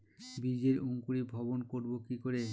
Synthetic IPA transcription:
bid͡ʑeɾuŋkuɾibʱɔbonkoɾbokikoɾe

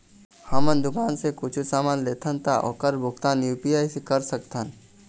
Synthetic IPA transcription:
hɐmənd̪ʊkaːnsekʊt͡ʃʰusaːmaːnleːt̪ʰə̃nt̪ʰaʔɔ̰ːkɐɾbʱʊk̚t̪aːnjuːpijaːisekɐɾsəkt̪ʰən

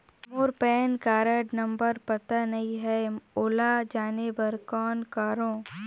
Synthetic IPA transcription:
moːɾpɛːnkaːɾəɖnɐ̃mbəɾpɐt̪anɐɦĩɦɛoːlad͡ʒaːnebɐɾkɔːnkaːɾõː

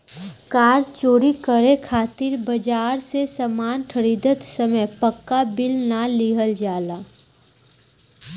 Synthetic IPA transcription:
kaːɾt͡ʃoːɾikəɾekʰaːt̪ɪɾbəd͡ʒaːɾsesəmaːnkʰəɾiːd̪ət̪səməjpəkːabɪlnaliɦəld͡ʒaːlaː

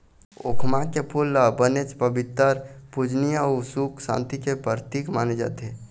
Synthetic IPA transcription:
o̰kʰmakepʰuləbənet͡ʃpəbit̪ːəɾpud͡ʒnijasuksã̰nt̪ikepəɾt̪ikmaned͡ʒa̰t̪e

